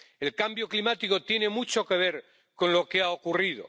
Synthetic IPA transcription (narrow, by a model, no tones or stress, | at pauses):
e̞lkambjo̞klimat̪iko̞t̪je̞ne̞mut͡ʃo̞ke̞β̞e̞ɾ | ko̞nlo̞keaokuriðo̰